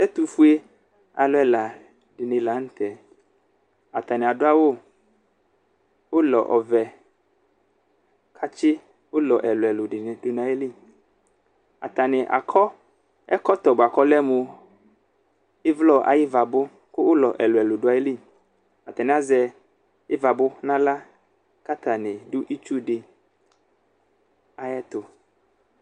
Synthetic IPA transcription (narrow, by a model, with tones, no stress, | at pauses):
ɛ˦t̪u˨fu˦e˦ | a̰˨lo˦ɛ˦la˨ | ɖɪ˨nɪ̃˨la˨˦ŋ̩˦t̪ɛ˨ | a̰˨t̪a˨nɪ˨a˨ɖʊ˦a˦wo˦ | wo˦lɔ˨ʔɔ˨vɛ˨ | kʰa˦t͡ʃɪ˦ | wo˦lɔ˨ʔɛ˨lo˨ɛ˨lo˨ɖɪ˨nɪ˨dʊ˦nã˨e˦li˦ | a̰˨t̪a˨nɪ̃˨ʔa̰˨kʰɔ˦ | ɛ˦kɔ˦t̪ɔ˨bʊ˨a˨kɔ˦lɛ˦mu˨ | ɪ˦vlɔ˦ʔa̰˨jɪ˦va˨bʊ˦ | kʊ˦wʊ˦lɔ˨ʔɛ˨lʊ˨ɛ˨lʊ˨ɖʊ˨a˨˦e˦li˦˨ | a˨t̪a˨nɪ̃˨a˦zɛ˨ | ɪ˦va˨bʊ˦nã˦la˦ | ka˦t̪a˨nɪ̃˨dʊ˦ʔi˦t͡ʃu˦ɖɪ˨ | a˨jɛ˦t̪ʊ˨